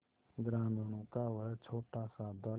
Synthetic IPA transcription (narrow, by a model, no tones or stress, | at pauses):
ɡɾaməñũkawət͡ʃʰoʈasad̪ɔ